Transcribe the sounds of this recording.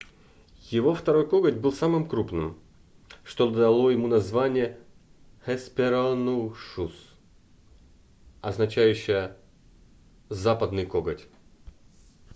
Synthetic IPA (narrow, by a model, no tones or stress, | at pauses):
jɪvo̞ft̪ɐɾo̞jkoɡətʲbɨlˠsamɨmkɾupnɨm | ʂt̪od̪ɐlˠojɪmunɐzvanʲɪjə | hɛspʲɪɾalnuʂus | ɐznɐt͡ɕæjʉɕːɪjə | zapəd̪nɨjkoɡətʲ